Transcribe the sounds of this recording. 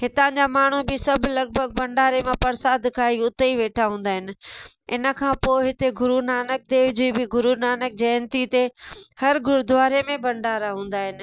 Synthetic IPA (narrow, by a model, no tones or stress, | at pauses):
hɪt̪ãd͡ʑaːmaːɳ̤ubɪsɐbʱlɐɡ̚bʱəɡ̚bɐ̃ɳɖaːɾemãpɐɾsaːd̪kʰãːɦiʊt̪əiʋeːʈʰaɦũːn̆d̪aːɦɪnɪ̆ | ɪ̰nə̆kʰãːpoːɪɦɪt̪eɡʊɾunaːnək̚d̪eːʋd͡ʑuibɪɡʊɾunaːnək̚d͡ʑɐːɪnt̪it̪ehɐɾɡʊɾʊd̪ʊʋaːɾemẽbɐ̃ɳɖaːɾaɦũːn̆d̪aːɦɪnɪ̆